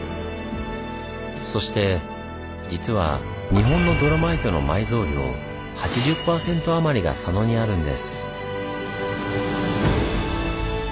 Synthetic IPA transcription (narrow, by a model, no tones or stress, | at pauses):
so̞ɕi̥t̪e̞ | d͡ʑit͡sɨβa̰ | ɲ̟iɦõ̞nːo̞d̪o̞ɾamait̪o̞no̞̰maizo̞ːɾʲio̞̰ | hat͡ɕiʑɨpːaːsẽ̞nt̪o̞amaɾʲiɡa̰sano̞ɲ̟iaɾɯ̟̃nd̪e̞̰sɨ̥